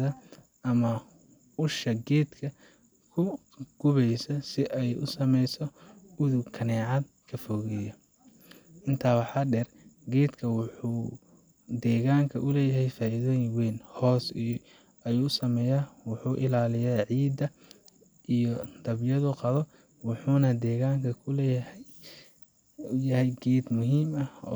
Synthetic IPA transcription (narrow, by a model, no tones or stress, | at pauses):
ɐ | ɐmɐ | ʊʃɐɡɛːd̪kʰɐ | kʰʊ | ɡ̥ʊβɛjsɐsɪʔɛjʊ̰sɐmɛjsɔʊðʊɡkʰɐnɛːʕɑd̪̚ | kʰɐfɔɣɛjɐ | ʔɪnt̪ʰaːwɑħɑːɖɛr | ɡɛːd̪kʰɐwʊħuː | d̪ɛːɣaːŋkʰɐʔʊlɛːjɐɦɛjfaːɪðɔːjɪŋwɛːnhɔːsi | ɐjuːʊsɐmɛːjaːwɑħuːʔɪlaːlɪjaːʕiːd̪ɐ | ʔijɔd̪̥ɐβjɐðʊqɑðɔ | wɑħuːnɐd̪ɛːɣaːŋkʰɐkʰʊlɛjhɛ | jɐɦɛjɡɛːd̪mʊɦiːmɐɔ̰ː